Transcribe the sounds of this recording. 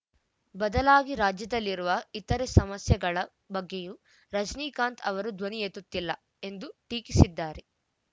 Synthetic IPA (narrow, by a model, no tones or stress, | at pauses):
bɐd̪ɐlaːɡiɾaːd͡ʒjɐd̪ɐlːiɾuʋɐit̪ɐɾesɐmɐsjɐɡɐɭɐ | bɐɡːeju | ɾɐd͡ʒniːkaːnt̪ʰɐʋɐɾud̪ʋɐnijet̪ut̪ːilːɐ | e̞nd̪uʈiːkisid̪ːaːɾe